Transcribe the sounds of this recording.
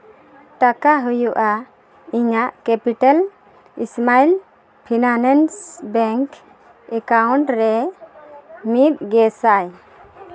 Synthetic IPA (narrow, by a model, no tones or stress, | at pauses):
ʈakaɦujuʔa | iɲaʔkɛpiʈal | ḭsmail | pʰinanɛnsbɛŋk | ɛkawɳʈɾɛ | mit̪̚ɡɛsaj